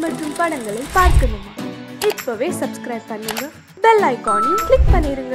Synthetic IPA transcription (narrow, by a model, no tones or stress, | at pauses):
mɐʈrɯmpɐɳɐŋɡɐɭɐɪpaːɾkɐnːɯŋɡɐɪpːoʋeːsɐbskɾɐɪb̚pɐnːɯŋɡɐ | bɛlːaːɪkaːniklɪk̚pɐɳːiːɾɯŋɡɐ